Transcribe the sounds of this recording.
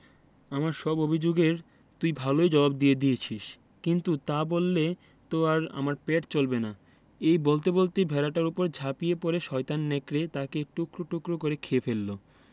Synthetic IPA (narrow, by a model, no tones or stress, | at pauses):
amaɾʃɔbobʱid͡ʑoɡeɾ | t̪ujbʱalojd͡ʑɔbab̚d̪ijed̪ijet͡ɕʰiʃ | kint̪ut̪abolːe | t̪oaɾa̰maɾpɛʈt͡ɕolbena | ejbolt̪̬ebolt̪ibʱɛlaʈaɾupoɾd͡ʑʱapijepoɾeʃɔjt̪anːɛkɾet̪akeʈokɾoʈokɾokoɾekʰefelːo